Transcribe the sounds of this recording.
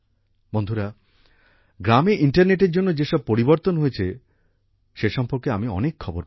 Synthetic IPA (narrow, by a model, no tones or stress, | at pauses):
bond̪ʱuɾa | ɡɾameʔiɳʈaɾneʈeɾd͡ʑonːod͡ʑeʃɔb̚poɾiboɾt̪onɦojet͡ɕʰe | ʃeʃɔmpoɾkeamiɔ̰nekʰːɔboɾ